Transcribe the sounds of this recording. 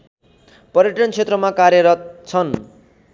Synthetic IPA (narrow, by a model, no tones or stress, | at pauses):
pʌɾjeʈʌnt͡sʰet̪rʌmakaɾjʌɾʌt̪̚t͡sʰʌn